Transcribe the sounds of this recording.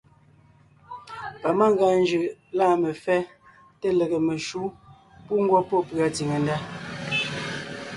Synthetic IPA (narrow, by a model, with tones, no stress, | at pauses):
pa˨ma˦ŋ˦ɡa˨n˦d͡ʒɯ˨ʔlaː˦˨me˨fɛ˦ | te˦le˨ɣe˨me˨ʃu˦ | pu˦ŋ̩˦ɡwɔ˦pɔ˦pɰa˨ti˨ŋe˨n˦da˦